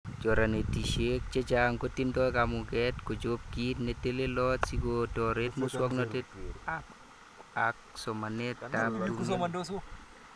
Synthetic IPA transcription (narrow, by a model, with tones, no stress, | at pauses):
d͡ʒɔ˨ɾa˨ne˨ti˨ʃe˦k̚t͡ʃe˦t͡ʃaŋko˦ti˦ndɔ˦kamʊɡɛ˦tko˨d͡ʒo˦p̚ɡi˦tne˨te˦le˦lɔtsi˦kotɔɾe˦tmo˦swɔ˦knɔ˦te˦ta | ak̚sɔ˨mane˦tta˦p̚du˦